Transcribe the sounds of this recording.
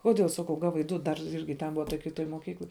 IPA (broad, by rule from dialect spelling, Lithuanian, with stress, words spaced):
ˈkoːdʲeːlˠ ˈsɑːkɐʊ ˈɡɑːʋɐɪ ˈdʊ dɐr ˈɪrʲɡʲɪ tʲɛn ˈbʊʋɐ toːj kʲɪˈtoːj moːˈkʲiːklˠoːj